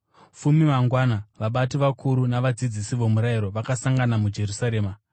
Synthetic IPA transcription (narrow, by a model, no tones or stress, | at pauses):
fumimaŋɡwanaʋaɓatiʋakʰuɾunaʋad͡zid͡zisiʋomuɾaiɾo̞ʋakasaŋɡanamud͡ʒe̞ɾusaɾe̞ːma